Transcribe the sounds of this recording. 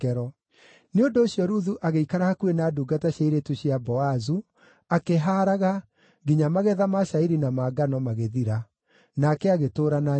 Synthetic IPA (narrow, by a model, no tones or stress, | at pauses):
ɛɾɔ | neondoːɕjɔɾuðuʔaɣeikaɾahakuenaːduːɡataɕaiɾetuɕiabɔazu | akeɦaɾaɣa | ɡiɲamaɣɛðamaʃaiɾinamaːɡanɔmaɣeðiɾa | nakɛaɣetoːɾana